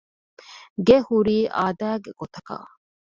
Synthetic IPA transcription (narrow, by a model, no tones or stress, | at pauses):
ɡehuɾiːʔaːd̪æːɡeɡ̥ot̪ɐka̰ː